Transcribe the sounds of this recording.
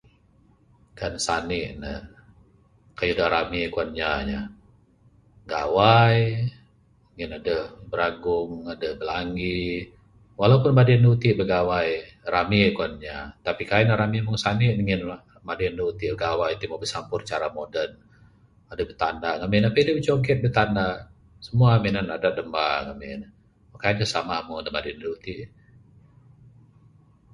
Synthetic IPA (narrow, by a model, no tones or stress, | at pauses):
kansanɪʔnə̰ | kajudaɾamikuanɲaɲa | ɡa̰waj | ŋɪnadəbəɾaɡʊŋadəbəlaŋɡi | walaupʊnmadiandəut̪ɪʔbəɡawajramikuanɲat̪apikainaɾamimʊŋsanɪʔniŋɪn | madindəut̪iʔbəɡawajt̪umabəsampʊrt͡ʃaɾamodən | adəbət̪andaʔŋamɪnapədəbit͡ʃoŋk̬ɛt̪̚bət̪anda | səmuaminanadaʔdəmba̰ŋa̰mɪ̰n | makaɲasamamʊŋadəma̰diəndəut̪iʔ